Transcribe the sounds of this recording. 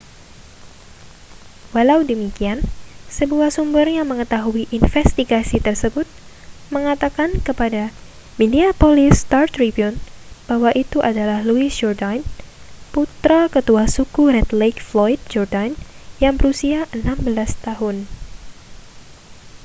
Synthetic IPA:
walawdəmikiansəbuahsumbʊrjaŋməŋət̪aɦuiʔinfɛst̪iɡasit̪ərsəbʊt̪̚ | məŋat̪akankəpada | midiapolɪst̪art̪ɾibiunb̥awaʔit̪uʔadalahluɪsd͡ʒɔrdan | put̪ɾakət̪uasukuɾɛt̪lekflɔjd̪̚d͡ʒɔrdanjaŋbəɾusiaʔənambəlast̪aɦʊn

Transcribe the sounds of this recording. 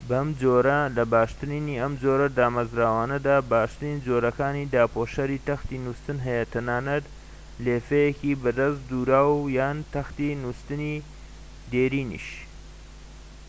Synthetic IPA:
bɐmd͡ʒoːɾɐlɐbaːʃt̪ɨɾiniɐmd͡ʒoːɾɐd̪aːmɐzɾaːwaːnɐd̪aːbaːʃt̪ɨɾiːnd͡ʒoːɾɐkaːniːd̪aːpʰoːʃɐɾiːt̪ɐxt̪iːnust̪ɨnɦɐjɐt̪ʰɐnaːnɐt̪ | leːfejekibɐd̪ɐsd̪uːɾaːwjaːnt̪ɐxt̪inust̪ɨni | d̪eːɾiːnḭʃ

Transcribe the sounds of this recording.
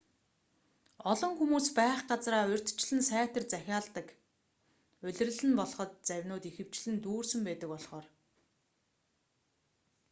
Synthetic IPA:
ɔɮɞ̆ŋxumuːspæːχɢat͡sraːɵ̟r̥ʲt̪ʰt͡ɕɮɘ̆nsæːt̪ə̆rt͡sæxʲaːɮt̪ə̆k | ɵɮ̆rɘ̆ɮɘ̆npɔɮɞ̆χɞ̆t̪t͡sæwʲnoːt̪ixɘ̆w̥t͡ɕɮɘ̆nt̪uːrsɵ̆mpæːt̪ə̆kpɔɮχɔːr

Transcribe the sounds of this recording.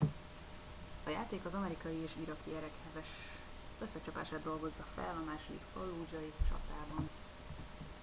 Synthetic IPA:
ɒjaːt̪eːkɒzɒmɛɾikɒjieːʃiɾɒkiɛɾɛkhɛvɛʃ | ø̞sːɛt͡ʃɒpa̰ːʃaːd̪o̞lɡo̞zːɒfɛ̰lɒmaːʃod̪ḭkfolːuːd͡ʒɒit͡ʃɒ̰t̪aːbɒn

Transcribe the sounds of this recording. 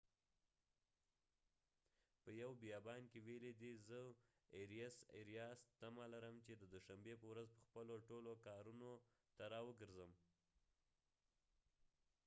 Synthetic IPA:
pəjawbijɑbɑnkeweled̪izə | eɾijasḛɾijɑst̪amalaɾəmt͡ʃed̪əd̪ʊʃambepəwɾazpəxpəloʈolokɑɾuno | t̪aɾɑwəɡəɾzəm

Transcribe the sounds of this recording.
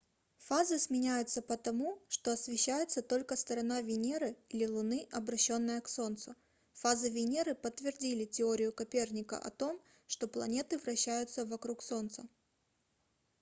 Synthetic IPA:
fazɨsmʲɪnʲæjʊt̪səpət̪ɐmuʂt̪o̞ɐsvʲɪɕːæjʊt̪sət̪o̞lʲkəst̪əɾɐnavʲɪnʲeɾɨilʲɪlˠʊnɨʔɐbɾɐɕːo̞nːɨjəkso̞nt̪sʊ | fazɨvʲɪnʲeɾɨpət̪ːvʲɪrdʲilʲɪtʲɪoɾʲɪjʊkɐpʲe̞rnʲɪkə̰ʔɐ̰t̪o̞m | ʂt̪o̞plˠɐnʲe̞t̪ɨvɾɐɕːæjʊt̪səvɐkɾukso̞nt̪sə

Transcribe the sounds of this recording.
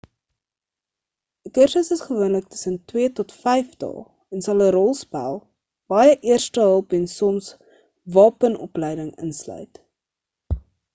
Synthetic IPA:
əkərsəsəsχəvuənlək̚tə̥səntwiətɔtfɛjftɑ̰lˠ | ɛnsɐlˠəɾɔlˠspæ̰lˠ | b̥ɑjəʔiərstəɦəlˠpɛnsɔms | vɑːpənʔɔ̰plɛjdəŋə̰nslœ̰ɥt

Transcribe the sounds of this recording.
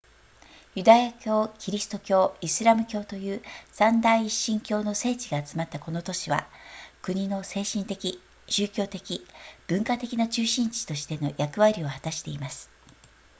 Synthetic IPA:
jɯ̟d̪ajakʲo̞ːkʲiɾʲisɨ̥t̪o̞kʲo̞ːisɨɾamɯ̟kʲo̞ːt̪o̞jɯ̟ːsãnd̪aiːɕːĩŋkʲo̞ːno̞se̞ːt͡ɕiɡaːt͡sɨmat̪ːako̞no̞t̪o̞ɕiβa̰kɯ̟ɲ̟inose̞ːɕĩnt̪e̞kʲi | ɕɨːkʲo̞ːt̪e̞kʲib̥ɯ̟̃ŋkat̪e̞kʲinat͡ɕɨːɕĩɲt͡ɕi̥t̪o̞ɕi̥t̪e̞no̞jʔakɯ̟βaɾʲio̞hat̪aɕi̥t̪e̞imasɨ̥

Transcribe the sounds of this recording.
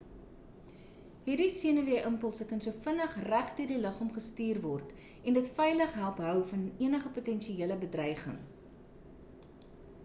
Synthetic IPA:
ɦiːrdisiənəviəʔəmpəlˠsəkɐnsuəfənəχræχdiːrdiləχɔmχəstiːrvɔrt | ɛndətfɛjləχɦælˠpɦœwfɐniənəχəputɛnʃiiələbədrɐjχə̰ŋ

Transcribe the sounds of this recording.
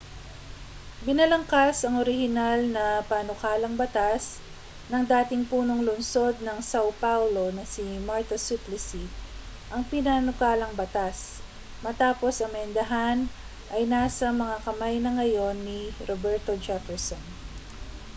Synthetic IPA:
bɪnɐlɐŋkasɐŋʔoɾɪhɪnalnɐpanʊkaːlɐŋbɐt̪as | nɐŋd̪aːt̪ɪŋpuːnoŋlʊnso̞d̪̚nɐŋsawpawlo̞nɐsimaɹt̪osuplɪsi | ʔɐŋpɪnanʊkaːlɐŋbɐt̪as | mɐt̪aːpo̞sʔɐmɛnd̪ɐɦan | ʔɐjnaːsɐmɐŋakɐmajnɐŋɐjo̞nːiɾobɛɹt̪o̞d͡ʒɛfɛɹson

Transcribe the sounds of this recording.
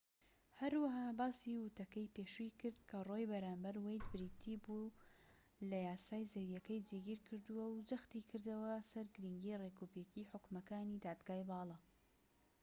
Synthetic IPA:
hɐɾwɐɦaːbaːsiwɨt̪ɐkɐjpeːʃuikɨɾd̪̚kʰɐrojbɐɾaːmbɐɾwejd̪bɾit̪ʰibu | lɐjaːsaːjzewijɐkɐjd͡ʒeɡiɾkʰɨɾd̪uwɐwd͡ʒɐxt̪iːkʰɨɾd̪ɐwɐsɐɾɡɨɾiŋɡiːrekupeciħʊkmɐkaːniːd̪aːd̪ɡaːjbɑːlˠɑ

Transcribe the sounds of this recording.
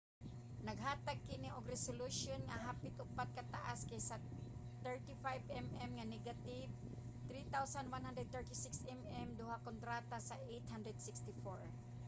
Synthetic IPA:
nɐɡɦat̪aɡ̚kɪniʔoɡɾɛsoluʃonŋaɦaːpɪt̪ʔʊpat̪̚kat̪aʔaskajsa | t̪ɛɹt̪ifajbɛmɛmŋanɛɡat̪ɪv | t̪ɾit̪awsandwanɦand̪ɾɛd̪̚t̪ɛɹt̪isɪksɛmɛmd̪ʊhakont̪ɾat̪asaʔejt̪hand̪ɾɛd̪̚sɪkst̪ɪfoɹ

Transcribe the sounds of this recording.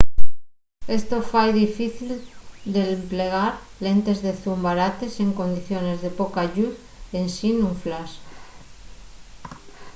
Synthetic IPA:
e̞st̪ofajðifiθild̪empleɣ̞aɾle̞nt̪e̞zðe̞θumbaɾat̪e̞se̞ŋko̞nd̪iθjo̞ne̞zðe̞pokaʎuθ | e̞nsinuɱflas

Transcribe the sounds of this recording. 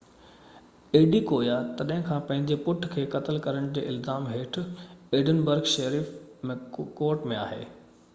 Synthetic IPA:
eːɖikoːjat̪ɐɗɐɦɪ̃kʰãːpɐ̃ɦɪ̃ɲd͡ʑepʊʈʰkʰeːkɐt̪əlkɐɾəɽ̃d͡ʑeːʔɪlzaːmɦeːʈ̆ʰeːɖənbəɾɡʃɐɾiːfmẽkoːɾʈmẽa̰ːɦḛː

